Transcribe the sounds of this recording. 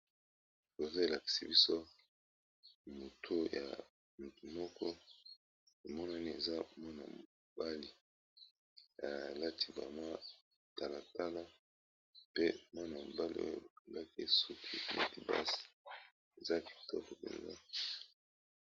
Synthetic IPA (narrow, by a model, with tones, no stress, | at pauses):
ko˨zo˦e˨la˨ki̥˨si˨bi˦so˦ | mo˨tʰo˦ja̰˨ | mu˨tu˨mɔ˦kʰɔ˦ | e˨mɔ˦na˦ni˦e˨za˦mɔ˦na̰˨mo˨o˨ba˦li˨ | a˨la˦tʰi˦ba̰˨ma˦ | ta˨la˨ta˦la˦ | pe˦mɔ˦na˨mo˨ba˦lḭ˦o̰˦jo̰˨ba˨ɡa˦kḛ˦˨su˦ki˦˨lḛ˦ti˨ba̰˦si̥˨ | e˨za˦ki̥˨tɔ˦ko˨pɛ̰˨nza̰˦